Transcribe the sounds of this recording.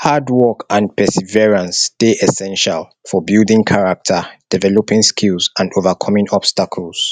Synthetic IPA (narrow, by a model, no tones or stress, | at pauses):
hadwɔkãnpʰɛsɛvɛɹãnsteʔɛsɛ̃nʃal | fɔbildĩŋkʰaɹak̚tʰəd̥ɛvɛlopĩŋskʰilzãndovakʰɔmĩŋɔbstakʰəlˠs